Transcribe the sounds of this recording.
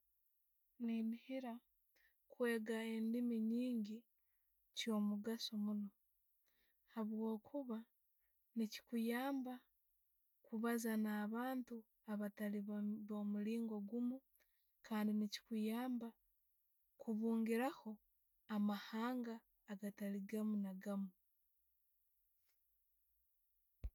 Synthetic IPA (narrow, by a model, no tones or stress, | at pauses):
ninihiɾa | kwe̞ːɡae̞ndimiɲiːɲɟi | t͡ʃjo̞ːmuɡasomuno̞ | haβwo̞ːkʰuβa | nici̥kujaːmba | kuβazanaːβaːntu | aβataliββo̞ːmuɾiːŋɡo̞ɡumu | kʰaːndinici̥kujaːmba | kʰuβuːŋɡiɾaho̞ | amahaːŋɡaː | ɡataliɡamunaɡamu